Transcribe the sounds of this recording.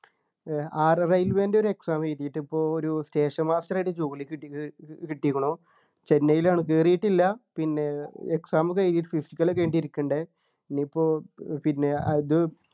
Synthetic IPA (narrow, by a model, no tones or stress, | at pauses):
aːrrɐjilʋeːndeo̞ɾue̞ksaːmeːt̪ːijiʈːɨipːo̞ːoɾuste̞ːʂɐmaːstrajɽet͡ɕoːɣilikːikiʈːikːuɳo | t͡ɕe̞nːɐjilaːɳɨkeːrijiʈːilːɐpinːe̞eksaːmɨkejt̪iːiʈːɨfisi̥kʲːɐlokːeʋeːɳɖiiɾikʲːuɳɖe | nːipːo̞ːpinːe̞ɐðɨ